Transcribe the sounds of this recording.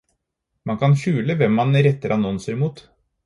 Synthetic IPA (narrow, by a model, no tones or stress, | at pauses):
mɑŋkʰɑnçʉːləʋɛmːɑnɾɛt̪ːəɾʔɑnɔnsəɾmuːt̪